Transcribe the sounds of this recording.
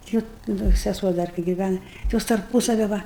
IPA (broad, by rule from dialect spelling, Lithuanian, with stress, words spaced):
ˈtʲɪ oːt ˈdɐ sʲɛˈsuɔ ˈdɐr kɐɪ ɡʲɪˈʋʲænɐ tʲɪ ˈjoːs tɐrˈpʊsɐʋʲɪ ˈʋɐ